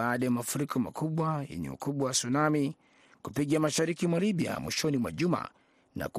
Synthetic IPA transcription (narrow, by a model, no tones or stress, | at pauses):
aːɗajamafuɾikʰɔma̰kuɓwajɛ̰ɲɛ̰ṵkuɓwawasunami | kupiɠamaʃaɾikimwaliɓia̰mwḭʃɔnimwa̰ʄuma̰ | na̰ku